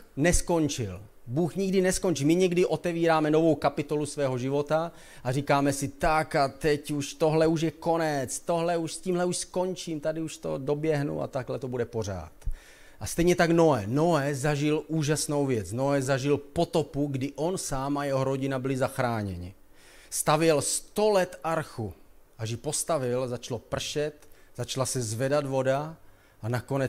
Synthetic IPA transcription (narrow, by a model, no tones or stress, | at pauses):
nɛsko̞ɲt͡ʃɪ̰l | buːxɲɪɡdɪnɛskont͡ʃimɪɲɛɡdɪʔo̞t̪ɛviːɾaːmɛno̞vo̞wkapɪt̪o̞lusvɛːɦo̞ʒɪvo̞t̪a | ʔariːkaːmɛsɪt̪akat̪ɛcuʃt̪o̞ɦlɛuʃ̬jɛko̞nɛt͡st̪o̞ɦlɛuʃsciːmɦlɛuʃsko̞ɲt͡ʃiːmt̪adɪuʃt̪o̰do̞bjɛɦnṵa̰t̪aɡlɛt̪obudɛpo̞r̝a̰ːt̪ | ʔast̪ɛjɲɛt̪aɡno̞ɛːno̞ɛzaʒɪluːʒasnowvjɛt͡sno̞ɛːzaʒɪlpo̞t̪o̞puɡdɪʔo̞nsaːmajɛɦoɾo̞ɟɪnabɪlɪzaxɾaːɲɛ̰ɲɪ̰ | st̪avjɛlst̪o̞lɛt̪aɾxuʔaʒjɪpo̞st̪avɪlzat͡ʃlopr̩ʃɛt̪z̥at͡ʃlasɛzvɛdad̪vo̞da | ʔanako̞nɛ